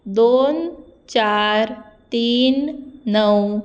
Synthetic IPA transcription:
d̪ont͡ɕaɾt̪iːnːəw

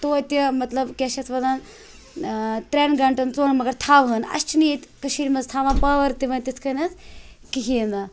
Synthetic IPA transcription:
t̪oːt̪ʲimɐt̪lɐbkʲeʃɐt͡sʰʋɐd̪aːn | t̪ɾʲenɡɐɳʈɐnt͡soːɳmɐɡɐɾt̪ʰaːʋɦənɐ̰st͡ʃʰiniit̪ʲkɐʃiːɾmɐzt̪ʰaːʋaːnpɐːʋɐɾt̪iʋɐnt̪it͡sʰkɐnʲɐt͡s | kiɦʲind̪aː

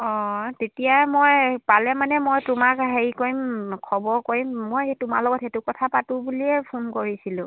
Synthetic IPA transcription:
ɔtetijajɛmojpalɛmanɛmojtʊmakɦeɹikoɹimkʰɔbɔɹkoɹimːojtʊma̰lɔɡɔtetukɔtʰapatʊbuliɛpʰonkoɹisilʊ̃

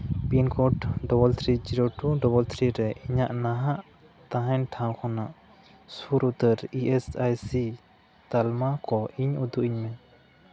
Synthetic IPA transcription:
pinkɔʈɖɔbɔlt̪ʰɾid͡ʒiɾoʈuɖɔbɔlt̪ʰɾiɾɛʔiɲaʔnaɦaʔ | t̪ãɦɛnʈʰãw̃kʰɔnaʔ | suɾut̪əɾiʔɛsajsi | t̪almakɔiɲud̪uʔiɲmɛ

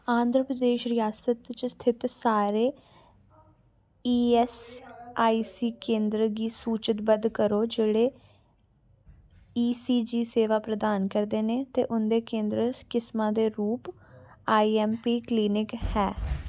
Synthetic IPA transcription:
ãːnd̪ɾəpɾəd̪eːʃɾɪjaːsət̪t͡ʃəst̪ʰɪt̪saːɾeː | iːɛsaːiːsiːkẽːnd̪ɾəɡiːsuːt͡ʃət̪bəd̪kəɾoːd͡ʒeːɽeː | iːsiːd͡ʒiːseːʋaːpɾəd̪aːnkəɾd̪eːneːt̪eːʔʊnd̪eːkẽːnd̪ɾəkɪsmãːd̪eːɾuːpaːiːɛːmpiːkliːnɪkhɛː

